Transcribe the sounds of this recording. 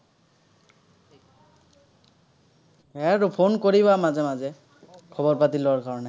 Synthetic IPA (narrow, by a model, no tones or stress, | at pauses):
ɛɾupʰonkoɹibamazɛmazɛ | kʰɔbɔɹpatilɔwaɹkaɹɔnɛ